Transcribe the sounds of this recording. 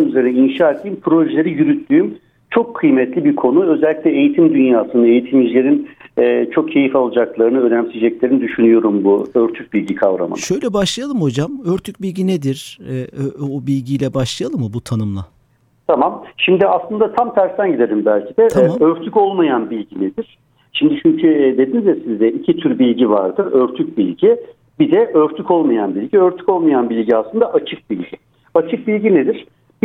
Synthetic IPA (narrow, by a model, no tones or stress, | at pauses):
nyzeɾinɛinʃaːet̪ʰʲijimpʰɾo̞ʒelʲeɾijyɾyt̪ːyːm | t͡ʃʰo̞kʰːɯjmɛt̪lʲibiɾkʰo̞nuø̞zɛlʲːicʲlʲɛejit̪ʰimd̪ynjaːsɯnɯe̞jit̪ʰimiʒlʲe̞ɾinɛːt͡ʃʰo̞k̚cʰe̞jifalˠad͡ʒaklˠaɾɯnɯønæmsid͡ʒɛclʲe̞ɾinid̪yʃynyjo̞ɾumbuøɾt̪ʰyc̚bilʲɟikʰavɾa̰mɯ̰ʃø̞jlʲɛbaʃlˠajalˠɯmho̞d͡ʒamøɾt̪ʰyc̚bilʲɟined̪iɾ̥ɛobilʲɟijlʲɛbaʃlˠajalˠɯmːɯbut̪ʰanɯmlˠa̰ | t̪ʰamamʃimd̪ɪaslˠɯnd̪at̪ʰamt̪ʰæɾst̪ænɟid̪elʲimbælʲcʰid̪ɛøɾt̪ʰyco̞lˠmajanbilʲɟined̪iɾ̥ | ʃimd̪it͡ʃʰyɲcʰyd̪e̞d̪inizd̪ɛsizd̪ɛicʰit̪ʰyɾbilʲɟiva̰ɾd̪ɯɾøɾt̪ʰyc̚bilʲɟi | bid̪ɛʔøɾt̪ʰyco̞lˠmajanbilʲɟiøɾt̪ʰy̥co̞lˠmajanbilʲɟiaslˠɯnd̪aʔat͡ʃʰɯk̚bilʲɟi | at͡ʃʰɯk̚bilʲɟined̪iɾ̥ | b